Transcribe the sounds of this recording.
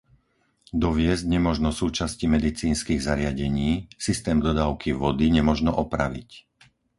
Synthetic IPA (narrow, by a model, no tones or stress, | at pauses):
d̪ɔʋɪɛzɟɲɛmʊɔʒnɔsuːt͡ʃascimɛd̪it͡siːnskiːɣzaɾɪaɟɛɲiːsist̪ɛːmd̪ɔd̪aːʊkʰiʋɔd̪iɲɛmɔʒnɔʔɔpɾa̰ʋḭc